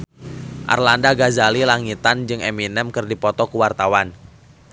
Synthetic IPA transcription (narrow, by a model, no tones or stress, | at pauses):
ʔa̰rlandaɡazalilaŋit̪and͡ʒɨŋɛminɛmkɨrdipɔt̪ɔkuwart̪awan